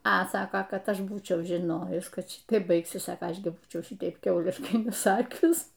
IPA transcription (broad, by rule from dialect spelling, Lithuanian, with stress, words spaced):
ɐ ˈsɑːkoː ˈkɐt ˈɐʃ ˈbuːt͡ʃʲɛʊ ʒʲɪˈnoːjʊs ˈkɐt ˈʃʲɪtɐɪp ˈbɐɪksʲɪs ˈsɑːkoː ˈɐʃ ɡʲɪ ˈbuːt͡ʃʲɛʊ ˈʃʲɪtɐɪp ˈkʲɛʊlʲɪʃkɐɪ nʲɛˈsɑːkʲʊs